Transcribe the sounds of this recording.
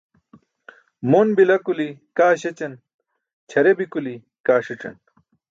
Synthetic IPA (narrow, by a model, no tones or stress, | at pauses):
monbilɐkulikaːɕet͡ɕɐn | t͡ɕʰɐɾebikuli | kaːʂiʈ͡ʂɐ̰n